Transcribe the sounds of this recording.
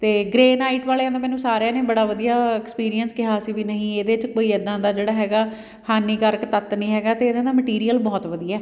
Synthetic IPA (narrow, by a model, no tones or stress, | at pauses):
t̪eːɡɾeːnaːiʈʋaːleːãːd̪aːmɛːnũːsaːɾejãːneːbəɽaːʋəd̪ijaːɛːkspiːɾijənskɪɦaːsiːʋiːnəɦĩːeːd̪eːt͡ʃkoːiːəd̪ãːd̪aːd͡ʒeːɽaːɦɛːɡaː | haːniːkəɾkt̪ət̪nĩːɦɛːɡaːt̪eːd̪ãːd̪aːməʈiːɾijəlbɔːt̪ʋəd̪ijaɛː